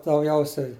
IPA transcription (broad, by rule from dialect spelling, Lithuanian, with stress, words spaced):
dɐʊˈɡʲɛʊsʲɛɪ